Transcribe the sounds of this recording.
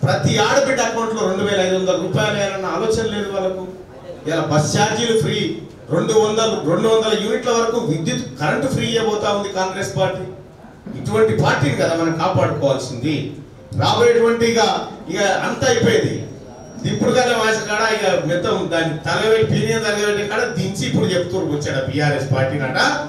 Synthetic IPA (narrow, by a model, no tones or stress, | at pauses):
pɾɐt̪iaːɽɐbɛɖːɐkɐwɳʈlo̞ːɾeɳɖuʋɛːlɐɐjd̪ʋɐnd̪ɐlɐɾuːpaːjlɛjaːɾɐnːɐaːlɔːt͡ʃɐnɐleːd̪uʋɐlɐku | iʋaːlaːbɐst͡ʃaːɾd͡ʒilupʰɾiː | ɾeɳɖuʋɐnd̪ɐluɾeɳɖuʋɐnd̪ɐlɐjuːniʈlɐʋɐɾɐkuːʋid̪jut̪kɐɾɐɳʈpɾiːɐjɐbɔːt̪aːund̪ikaːŋɡɾe̞ːspaːɾʈːiː | iʈuʋɐɳʈipaːɾʈiːnikɐd̪aːmɐnɐmkaːpaːɽukɔːʋaːlsind̪i | ɾaːbɔːjɐʈuʋɐɳʈiɡaːialɐnt̪aːɐjipɔjind̪ḭ | d̪ipːuɽud̪ɐnːɐmaːsɐkaːɽaːikɐmit̪ɐmd̪aːnit̪ɐlɐʋɐjlipiːnijɐnd̪ɐɡɐɾɐɽɐnkɐɽad̪iɲt͡ʃiːpːuɽut͡ʃepu̥t̪uɾuɐt͡ʃːaːɽabijaːɾeːspaːɾʈiːnaːʈa